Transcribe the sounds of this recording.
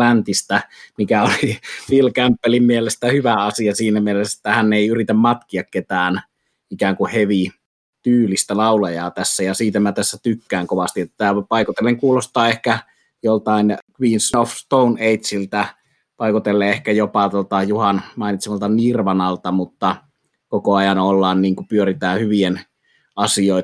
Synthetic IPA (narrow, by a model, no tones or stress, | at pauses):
ænt̪ist̪æmikæolipilkæmpːælimmielest̪æhyʋæɑsiɑsiːnæmielese̥t̪ːæhænːeˑiyrit̪æmmɑt̪kiɑkket̪æːn | ikæːŋkuheʋi | t̪yːlist̪ælɑˑulɑjɑːt̪æsːæjɑsiːt̪æmæt̪æsːæt̪ykːæːŋkoʋɑst̪iet̪ːæpɑikut̪elːeŋkuːlost̪ɑːehkæ | jolt̪ɑˑinkʋiːnsnofst̪ouneit̪silt̪æ | pɑikut̪elːeehkæjopɑt̪uot̪ɑjuhɑnmɑˑinit̪semɑlt̪ɑnirʋɑnɑlt̪ɑmut̪ːɑ | kokoɑjɑnolːɑːnniːŋkupyøɾit̪æːhyʋien | ɑsioˑi